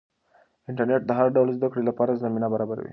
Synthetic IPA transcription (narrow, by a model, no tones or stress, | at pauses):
iɳʈəɾneʈ̚d̪ʱɦaɾɖəwləsd̪əkɽiləpaɾət͡szəminabəɾabəɾʋḭ